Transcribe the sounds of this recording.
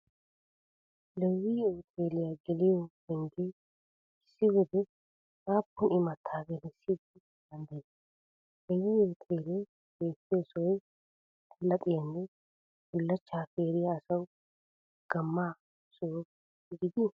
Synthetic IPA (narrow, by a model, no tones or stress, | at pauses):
lɛwːiːoːt̪ʰʼeːlɪjaɡɛlɪjɔhɛŋɡe | ɪsːɪɡɔd̪ɛ | aːpːʊnɪmɐt̪ʰːaːɡɛlɛsːid̪ɪ | d̪̥ɐnd̪ɐj | lɛwːiːoːt̪ʰʼeːlɛ | be̞ːt̪ːɪjɔsɔwɔj | lɐpʼɪjɐnːɛ | ɡʊlːɐt͡ʃːaːfeːɾɪjɐːsɐw | ɡ̥ɐmːaː | sɔwɔ | ɡɪd̪ɪ